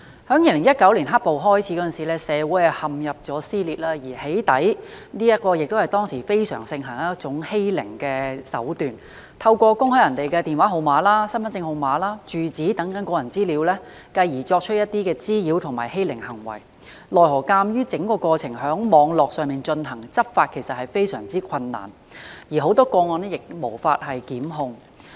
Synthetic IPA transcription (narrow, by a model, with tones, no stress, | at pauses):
hœː˨˥ŋjiː˧˩lɪ˨˩ŋjɐ˥t̚kɐ˨˥wliː˨˩nɦɐ˥po˨wɦɔː˥jt͡sʰi˨˥kɔ˨˥ə˥˨nsiː˨˩lɛː˥sɛː˨˧wuː˨˥jhɐ˨˩hɐ˨mjɐ˨p̚t͡ʃɔː˨˥siː˥liː˨t̚laː˥jiː˨˩he˨˥jt̪ɐ̰˨˥j | niː˥jɐ˥t̚kɔː˧jɪ˨k̚t̪whɐ˨˩jt̪ɔː˥ŋsiː˨˩fe˥jsœ̰ː˨˩ŋsɪ˧ŋɦɐ˨˩ŋjɐ˥t͡ʃʊ˨˥ŋhe˥jlɪ̰˨˩ŋkɛː˧sɐ̰˨˥wt̪yː˨n | t̪ʰɐ˧wkʷɔː˧kʊ˥ŋhœ˥jɐ˨˩nt̪e˨jkɛ˧t̪iː˨nwaː˨˥ɦo˨˧wmaː˨˧laː˥sɐ˥nfɐ˨˥nt͡sɪ˧ŋho˨˩wmaː˨˧laː˥t͡ʃyː˨t͡siː˨˥t̪ɐ˨˥ŋkɐ˨˥nkɔː˧jɐ˨˩nt͡siː˥liː˨˥wlɛː˥ | kɐ˧jjiː˨˩t͡ʃɔː˧k̚t͡ʃʰɵ˥t̚jɐ˥t̚t̪iː˥kɛː˧t͡siː˥jiː˨˧˥wt̪ʰʊ˨˩ŋma̰ː˨˩jhe˥jlɪ˨˩ŋhɐ˨˩ŋwɐ̰˨˩j | lɔː˨˩jɦɔː˨˩kaː˧mjyː˥t͡sɪ˨˥ŋkɔː˧kɔː˧t͡sʰɪ˨˩ŋɦœː˨˥ŋmɔː˨˧ŋlɔː˨k̚sœː˨ŋmiː˨nt͡ʃɵ˧nɦɐ˨˩ŋt͡sɐ˥p̚faː˧t̚kʰe˨˩jsɐ˨t̚hɐ˨jfe˥jsœ̰ː˨˩ŋt͡siː˥kʷʰɐ˧nːa̰ː˨˩n | jiː˨˩ɦo˨˥wt̪ɔː˥kɔː˧ŋɔː˧nɛ˥jɪ˨k̚mo̰˨˩wfaː˧t̚hɐ˨jkiː˨˥mɦʊ˧ŋ